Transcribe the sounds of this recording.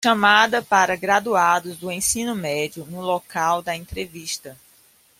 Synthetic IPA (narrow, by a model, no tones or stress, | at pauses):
ʃɐ̃mad̪ɐpaɾɐɡɾad̪uad̪ʊzd̪ʊẽsĩnʊmɛd͡ʒiʊnʊlokawd̪ɐẽnt̪ɾeviʃt̪ɐ